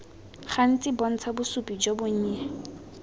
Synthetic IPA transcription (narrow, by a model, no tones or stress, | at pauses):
χan̩t͡sʼɪbɔn̩t͡sʰabʊsupʼid͡ʒoboɲ̩a